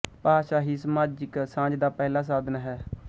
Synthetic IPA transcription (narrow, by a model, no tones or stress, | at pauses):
paːʃaːɦiːsəmaːd͡ʒɪksãːd͡ʒd̪aːpɛːlaːs̬aːd̪ənɦɛː